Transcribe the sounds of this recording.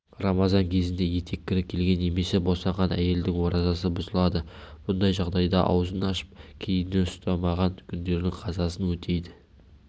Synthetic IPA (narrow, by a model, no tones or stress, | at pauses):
rɑmɑzɑŋkʲʰe̞zɪnd̪e̞je̞t̪ʰe̞kʲːɪɾɪkʲʰe̞lɡʲe̞nːe̞me̞se̞bosɑɴʁɑnæ̰je̞ld̪ɪŋwo̞ɾɑzɑsəbʊzəlˠɑd̪əb̥ʊnd̪ɑjʒɑʁd̪ɑjd̪ɑ̰ʔɑ̰wzənɑʃə̥p̚kʲʰe̞jɪnd̪e̞nʊst̪ɑmɑʁɑŋkʲʰʏnd̪e̞ɾd̪ɪŋqʰɑzɑsənwɵt̪ʰe̞jd̪ɪ